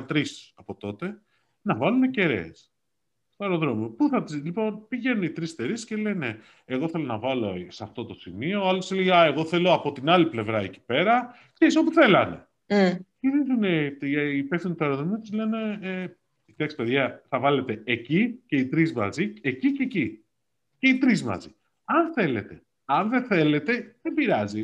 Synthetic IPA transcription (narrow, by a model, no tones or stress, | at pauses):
t̪ɾisɐpo̞t̪o̞t̪e | nɐvɐlunece̞ɾḛːs | st̪oeɾo̞ðɾo̞miopuθɐt̪izlipo̞npiʝe̞nunit̪ɾist̪eɾiscele̞ne̞ | eɣo̞θe̞lo̞nɐvɐlo̞sɐft̪o̞t̪o̞simio̞alosileʝeaeɣo̞θe̞lo̞ɐpo̞t̪inɐliple̞vɾɐeci̥pe̞ɾɐ | kseɾiso̞puθe̞lɐne̞ | ciɾizuneipefθinit̪ɐɾoðomit̪izle̞ne̞ | it̪eksi̥peðʝɐθɐvɐle̞t̪e̞ːcice̞it̪ɾizmɐ̰zieciceci | ce̞it̪ɾizmɐ̰zi | ɐnθe̞le̞t̪e̞ | ɐnðe̞θe̞le̞t̪e̞ðebiɾɐzi